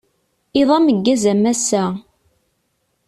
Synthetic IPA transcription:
ɪðˤɑməɡːæzæmæsːæ

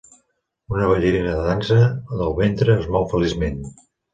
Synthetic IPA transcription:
unəβ̞əʎəɾinəðəðansəðəlˠβent̪ɾəːzmɔwfəlizmen

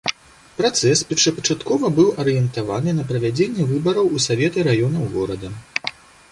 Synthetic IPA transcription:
pɾat̪sɛspʲɐt͡ʂɐpɐt͡ʂat̪kɔvɐbɨwʔɐɾɨjɛnt̪avanɨnɐpɾɐvʲad͡zʲenʲːɛvɨbɐɾɐwusavʲɛt̪ɨɾajɔnɐwɣɔɾɐd̪ɐ

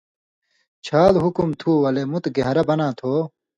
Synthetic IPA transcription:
t͡ɕʰaːlɦukumt̪ʰuːwɐlemut̪ɡɐɦɾɐbɐnãːt̪ʰoː

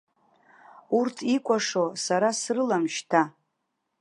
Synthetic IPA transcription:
urtʰikʷʼaʂo̞saɾasrɨlamʃtʰa

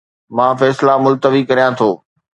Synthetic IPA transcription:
mãːfɛːslamʊlt̪əʋikɐɾijãt̪ʰoː

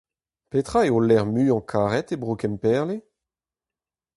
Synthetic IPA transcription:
pet̪χaeolɛʁmyːɑ̃kʰaːʁɛt̪ebʁokɛmpɛːʁle

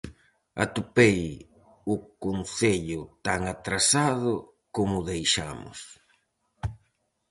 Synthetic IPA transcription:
a̰t̪upej | ʊkonθeʎʊt̪aŋat̪ɾasaðʊ | komʊðejʃa̰mʊ̰s

